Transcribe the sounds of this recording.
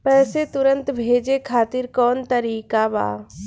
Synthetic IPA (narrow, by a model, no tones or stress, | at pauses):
pɛːset̪ʊɾə̃nt̪bʱeːd͡ʒekʰaːt̪ɪɾkɔːnt̪əɾiːkaba̰ː